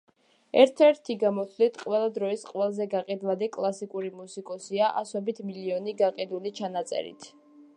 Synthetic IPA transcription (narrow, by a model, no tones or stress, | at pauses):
ɛɾt̪ʰɛɾt̪ʰiɡamɔt̪sʰvlit̪ʰqʼwɛlˠad̪ɾɔisqʼwɛlˠzɛɡaqʼid̪lad̪ikʼlˠasikʼuɾimusikʼɔsiaʔasɔbit̪ʰmiliɔniɡaqʼid̪ulit͡ʃʰanat̪sʼɛ̰ɾḭt̪ʰ